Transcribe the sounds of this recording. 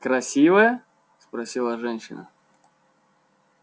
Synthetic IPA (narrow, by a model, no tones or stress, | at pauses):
kɾɐsʲivəjə | spɾɐsʲilˠəʐɛnʲɕːɪ̰nə̰